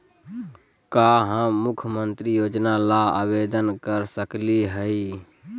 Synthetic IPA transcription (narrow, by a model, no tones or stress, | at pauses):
kaɦə̃mukʰjəmənt̪ɾijod͡ʒnalaa̰bed̪ənkəɾsəkliɦəi